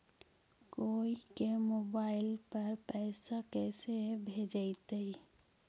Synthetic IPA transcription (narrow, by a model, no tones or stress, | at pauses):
koikemobaːɪlpəɾpɛɪsakɛːsebʱed͡ʒat̪ei